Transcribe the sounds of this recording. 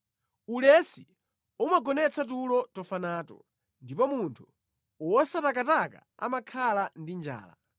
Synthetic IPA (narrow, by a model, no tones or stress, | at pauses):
ulɛsi | umaɡɔnɛt͡sʰat̬ulɔtɔfanaːtɔ̰ | ndipɔmuntʰu̥ | wɔsatakataka̰a̰makʰalandind͡ʒa̰ːla̰